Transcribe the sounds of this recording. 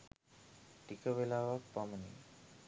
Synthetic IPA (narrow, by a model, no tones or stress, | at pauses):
ʈikəʋelaːʋak̚pamənḭ